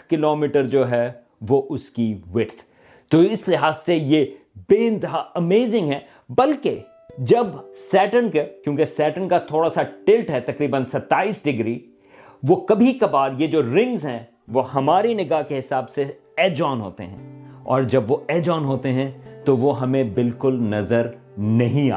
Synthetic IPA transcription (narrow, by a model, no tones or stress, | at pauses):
kkɪloːmiːʈəɾd͡ʒoːɦɛ | ʋoʔʊskiʋɪɾt̪ʰ | t̪oɪslɪɦaːzsejebeːɪ̃nt̪ɪɦaɐmeːzɪ̃ŋɡɦɛː | bɐlke | d͡ʒɐbsɛːʈənkekjõːkesɛːʈənkat̪ʰoːɽasaʈɪlʈɦɛt̪ɐkɾiːbənsɐt̪ːaːiːsɖɪɡɾiː | ʋokɐbʱikɐbaːd̪jed͡ʒoːɾɪ̃ŋɡzɦɛ̃ | ʋoɦɐmaːɾinɪɡaːkeɦɪsaːbse | eːd͡ʒɔːnɦo̰ːt̪ḛɦɛ̰̃ɔ̰ːɾd͡ʒɐbʋoeːd͡ʒɔːnɦoːt̪eɦɛ̃t̪oʋoɦɐmẽbɪlkʊlnɐzəɾ | nɐɦĩa̰ː